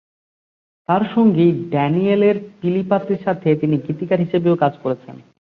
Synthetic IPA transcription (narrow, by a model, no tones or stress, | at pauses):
t̪aɾʃoŋɡiɖɛnieleɾfilipat̪ːiɾʃat̪ʰet̪iniɡit̪ikaɾɦiʃebeokad͡ʑkoɾet͡ɕʰḛn